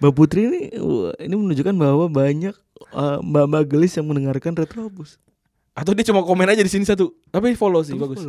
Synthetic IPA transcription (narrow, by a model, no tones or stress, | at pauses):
baput̪ɾiːnḭinimənuɲd͡ʒukanbawabaɲak̚əbambaɡəlɪsjaŋməndəŋarkanrɛt̪lobʊs | at̪̬awdiat͡ʃumakomɛnad͡ʒadisinisat̪̬ut̪ap̬ifolos̬ɪbaɡʊ